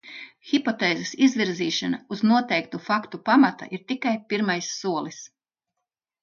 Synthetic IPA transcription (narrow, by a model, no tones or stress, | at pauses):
xʲipɔt̪eːzesizvʲiɾziːʃanauznuɔt̪ɛjk̚t̪ufakt̪upamat̪a̰ʔiɾt̪ikajpiɾmajsːuɔlˠis